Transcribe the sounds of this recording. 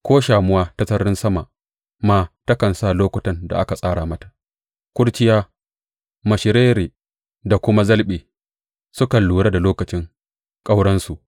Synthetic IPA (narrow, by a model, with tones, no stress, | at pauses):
kʷoː˦ʃaː˨mʊ˦waː˦ta˦sɐ˦ɾɪ˦nsɐ˦ma˨ʔ | maː˨tɐ˦kɐ˨nsaː˦˨loː˦kʷʊ˨tɐ˨nda̰˨ʔa˦ka˨sʼaː˦ɽaː˨mɐ˦tḁ˨ | kʷʼʊ˦ɽt͡ʃɪ˦jaː˦ | mɐ˨ʃɪ˨ɾeː˦ɾeː˨ | da˨kʷʊ˦ma˦zɐ˦lɓeː˨ | sʊ˦kɐ˨nluː˨ɽaː˦da˨loː˦kɐ˨t͡ʃɪ˦ŋ | kʼa˦wɽɐ˦nsu˨ʔ